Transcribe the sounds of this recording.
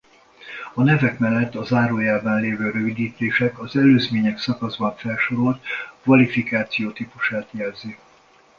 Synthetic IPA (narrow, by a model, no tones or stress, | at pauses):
ɒnɛvɛkmɛlːɛt̪ːɒzaːɾoːjaːbaːnleːvøːɾø̞vid̪iːt̪eːʃɛkɒzɛløːzmeːɲɛksɒkɒzbɒɱfɛlʃo̞ɾolt̪kvɒlifikaːt̪sijoːt̪iːpuʃaːt̪jɛlzi